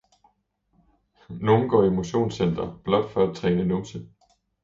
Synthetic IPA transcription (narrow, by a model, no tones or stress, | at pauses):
no̝ːn̩ɡ̥ɒ̰ːiemo̝ɕo̝̰ːnsen̰d̥ɐb̥lɒ̽d̥fɒ̽æ̥t͡sʰʁɛːnənomsə